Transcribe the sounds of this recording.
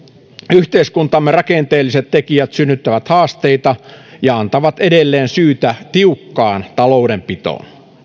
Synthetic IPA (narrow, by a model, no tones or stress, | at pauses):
yht̪eiskunt̪ɑmːerɑkent̪eːlːiset̪t̪ekijæt̪synːyt̪ːæʋæt̪hɑːst̪eit̪ɑjɑɑnt̪ɑʋɑt̪edelːeːnsyːt̪æt̪iukːɑːnt̪ɑloudempit̪o̰ːn